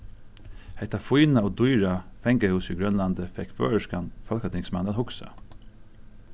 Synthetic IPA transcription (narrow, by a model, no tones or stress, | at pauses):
hɛht̪afujnaɔːd̪ujɹafɛŋkəhuːsiɡɹœnland̪əfɛkfø̰ːɹəʂkanfɔlkat̪ʰɪŋksmananhʊksa̰